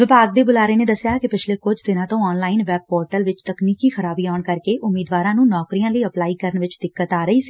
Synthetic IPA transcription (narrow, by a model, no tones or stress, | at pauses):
ʋɪpaːɡ̚d̪eːbʊlaːɾeːneːd̪əsjaːkɪpɪt͡ʃʰleːkʊd͡ʒʱt̪ɪnãːt̪õːɔːnlaːɪnʋɛːb̚pɔːɾʈəlʋɪt͡ʃt̪əkniːkiːxʰəɾaːbiːɔːɳkəɾkeːʔʊmːiːd̪ʋaːɾãːnũːnɔːkɾijãːləiːəplaːiːkəɾəɳʋɪt͡ʃd̪ɪkːət̪aːɾəiːsi̥ː